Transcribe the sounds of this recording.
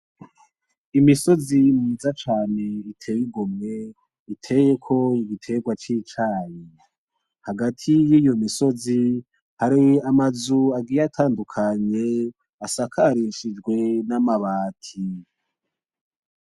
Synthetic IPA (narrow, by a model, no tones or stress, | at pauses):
imiso̞zimumuzat͡ʃaːne̞itʰe̞wiɡomŋe̞ | itʰe̞jekʰo̞iɡitʰe̞ɡwat͡ʃit͡ʃaːji | haɡatʰijiːjo̞miso̞zi | haɾiamazuaɡiɾatʰaːndukʰaɲe̞ | asakʰaɾiʃid͡ʒɡwe̞namaβaːtʰi